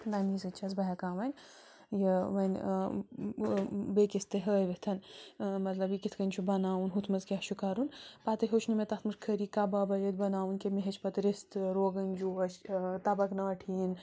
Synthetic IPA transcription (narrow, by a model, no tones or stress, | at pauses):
d̪ɐnizɨt͡ʃʰɐzbɐɦɐkaːʋɐnʲ | jɐʋɐnʲ | bekist̪ɨɦəːjʋet̪ʰɐnmɐt̪lɐbjikit̪ʰkɐnʲt͡ʃʰubɐnaːunɦut̪ʰmɐzkʲat͡ʃʰukaɾunpaːt̪ɨɦot͡ʃʰnimet̪ɐxt̪mɨʂkʰəɾiːkabaːbɐjɐt̪̚bɐnaːwunkemeɦɐt͡ʃʰpɐt̪ɾist̪ɾoːɡɐnʲd͡ʒuɐt͡ʃt̪ɐbɐknaːʈʰiːn